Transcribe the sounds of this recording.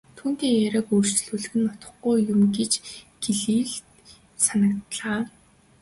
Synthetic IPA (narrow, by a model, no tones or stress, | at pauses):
t̪ʰuːn̥t̪iːŋjæɾʲăːkuːr̥t͡ɕ̆ɮuːɮɘ̆ɣɘ̆nɔt̪ə̆χɡujjʊmɡet͡ɕɡ̥eɮiːɮ | sanə̆kt̪ɮaː